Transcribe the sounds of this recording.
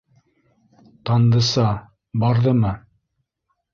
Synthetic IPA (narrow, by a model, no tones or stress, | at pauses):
t̪ɑnd̪ɤ̆sɑ | bɑɾðɤmɤ